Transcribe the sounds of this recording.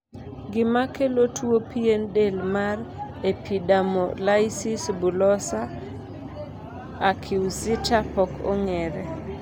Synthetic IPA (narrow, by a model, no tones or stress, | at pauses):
ɡɪmakelotʰwopienɗelmar | epʰiɗamɔlajsisbulɔsa | kʰɪwsɪtapɔkʰo̰ŋɛɾɛ